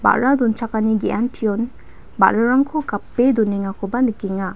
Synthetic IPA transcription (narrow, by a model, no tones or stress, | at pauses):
ba̰ʔɾadunt͡ʃʰakaniɡiantʰiɔn | ba̰ɾaɾaŋkʰokapːeduneŋakʰɔbanɯkiŋa